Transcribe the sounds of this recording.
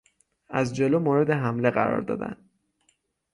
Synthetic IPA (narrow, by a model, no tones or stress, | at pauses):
æzd͡ʒeloːmoːɾe̞d̪e̞ɦæmle̞ɣæɾɒ̰ːɾd̪ɒ̰ːd̪æ̰n